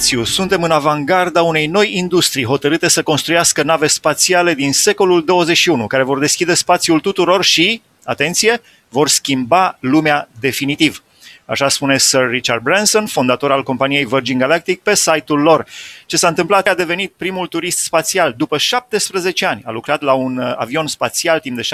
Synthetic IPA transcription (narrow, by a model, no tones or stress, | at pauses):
t̪siusunt̪e̞mɨnavaŋɡard̪aune̞jno̞jind̪ust̪ɾijɦo̞t̪əɾɨt̪e̞səko̞nst̪ɾujaskənave̞spat̪siale̞d̪inse̞ko̞luld̪o̞wəzet͡ʃʃiunukaɾe̞vo̞rd̪e̞skʲid̪e̞spat̪sjult̪ut̪uɾo̞rʃi | at̪e̞nt̪sije̞ | vo̞rskʲimbalumead̪e̞finit̪iv | a̰ʃaspune̞sərːit͡ʃard̪̚bɾanso̞nfond̪at̪o̞ɾalko̞mpanije̞jvərd͡ʒinɡalak̚t̪ik̚pe̞sajt̪ulːo̞rt͡ʃe̞saɨnt̪ɨmplat̪ad̪e̞ve̞nit̪̚pɾimult̪uɾist̪spat̪siald̪upəʃap̚t̪e̞spɾəze̞t͡ʃeanʲa̰lukɾat̪launa̰vio̞nspat̪sialt̪imd̪e̞ʃ